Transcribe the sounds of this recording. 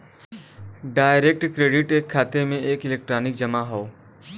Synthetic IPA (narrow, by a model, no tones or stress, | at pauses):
ɖaːɪɾek̚ʈkɾeːɖɪʈeːkʰːaːt̪emẽeːkɪleːk̚ʈɾaːnɪk̚d͡ʒɐmaɦoː